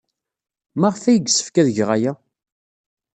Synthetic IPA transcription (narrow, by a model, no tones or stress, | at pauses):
maʁfæjəɡsə̥fkæðʝʁæjæ